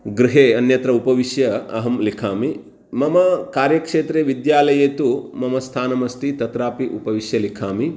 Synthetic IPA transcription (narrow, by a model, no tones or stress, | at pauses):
ɡɾiɦeːɐnjɐt̪ɾɐupɐʋiʃjɐɐɦɐmlikʰaːmi | mɐmɐkaːɾjɐkʂeːt̪ɾeːʋid̪jaːlɐjeːt̪umɐmɐst̪ʰaːnɐmɐst̪it̪ɐt̪ɾaːpiʔupɐʋiʃjɐlikʰaːmi